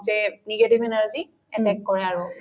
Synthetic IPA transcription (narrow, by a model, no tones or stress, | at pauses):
zɛniɡetibɛnaɹzi | ɛnɛkkɔɹɛaɹu